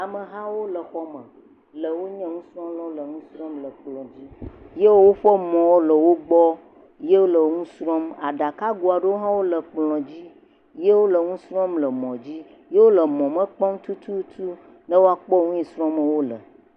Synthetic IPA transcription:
a˨mə˨ɦã˦wo˦lə˨xɔ˦mə̃˨ | lə˨wo˦ɲɛ̃˦ŋũ˦sɾɔ̃˦m˦lɔ˦wo˦lə˨ŋũ˦sɾɔ̃˦mlə˨k͡plɔ̃˨d͡ʑi˦je˦wwo˦ɸə˦mɔ̃˨wo˦lə˨wo˦ɡ͡bɔ˦ | je˦wo˦lə˨ŋũ˦sɾɔ̃˦ma̰˨ɖa˨ka˦ɡu˨a˨ɖə˦wo˦ɦã˦wo˦lə˨k͡plɔ̃˨d͡ʑi˦ | je˦wo˦lə˨ŋũ˦sɾɔ̃˦mlə˨mɔ̃˨d͡ʑi˦ | je˦wo˦lə˨mɔ̃˨mə̃˦k͡pɔ˦ŋ̩̃˦t̪u˦t̪ʰu˦t̪ʰu˦ | nə̃˦wo˦a˨k͡pɔ˦ŋũ˦ĩ˨sɾɔ̃˦mə˨wo˦lə̰˨

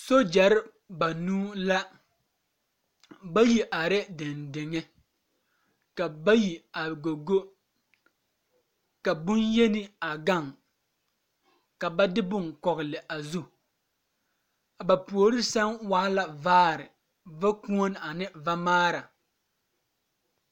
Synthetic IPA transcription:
so˦d͡ʒɛ˨ɾɪ˦ | ba˨nuː˦la˦ | ba˦ji˨ʔa˨ɾɛ˦dɪ˨ndɪ˨ŋɛ˦ | ka˨ba˦ji˨a˨ɡo˨ɡo˦ | ka˨bʊ˦nje˦nɪ˦a˨ɡa˦˨ŋ | ka˨ba˦dɪ˦bʊ˦˨ŋkɔ˨ɣɪ˨lɪ˨ʔa˨zu˦ | a˨ba˨pu˨o˨ɾɪ˦sa˦ŋwaː˦la˨vaː˦ɾɪ˨ | va˦ku˦o˦n˦a˨nɪ˦va˦maː˦ɾa˨

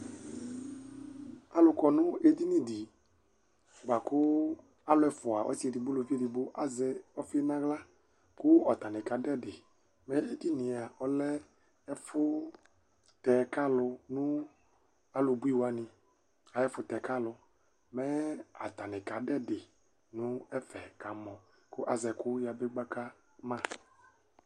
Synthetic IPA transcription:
a˨lʊ˧kɔ˨nʊ̃˦e˦di˦nĩ˨di˨ | ɡ͡ba˨kʊ˦ | a˦lʊ˦ɛ˨fʊ˨a˨ʔɔ̰˦si˦ɛ˨di˨bʊ˦lo˨fi˦e˦˨di˨bʊ˦ʔa˨zɛ˨ɔ˦fi˦ɛ˦nã˦ɣla˦ | kʊ˦ɔ˨t̪a˨nɪ̃˨ka˨dɛ˦dɪ˨ | mɛ˦e˦di˦nɪ̃˨a˨ɔ˦lɛ˦ | ɛ˦fʊ˦ | t̪ɛ˨ka˦lʊ˧nũ˦ | a˦lʊ˨bu˦i˦wa˨nɪ̃˨ | a˨jɛ˦fʊ˦t̪ɛ˨ka˦lʊ˨ | mɛ˦a̰˨t̪a˨nɪ̃˨ka˨dɛ˦dɪ˨ | nʊ̃˦ɛ˦fɛ˨ka˨mɔ̃˨ | kʊ˦ʔa˨zɛ˨kʊ˦ja˨be˦ɡ͡ba˦ka˦ | mã˦˨

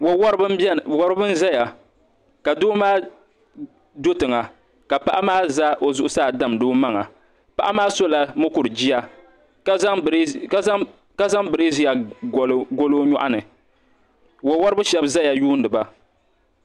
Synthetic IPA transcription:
wwbwɔ˦ɾɨ˦bɨ˦n̩˦za˦ja˨ | ka˨doː˦maː˦ | do˦tɨ˨ŋa˨ | ka˨pa˦ʔa˦maː˦za˦ʔo˨zʊ˨˦ʔʊ˦saː˦˨da˦mdoː˦ma˦ŋa˨ | pa˨ʔa˦maː˦so˦la˨mʊ˦kʊ˨ɾɨ˨d͡ʒi˦ja˦ | k | ka˦za˦ŋbɨ˨ɾi˦zi˦ja˨ɡɡo˦lo˦ɲɔ˦ʔa̰˦nɨ˨ | wo˨wɔ˦ɾɨ˦bɨ˦ʃɛ˦bza˦ja˨juː˦n˦dɨ˨ba˨

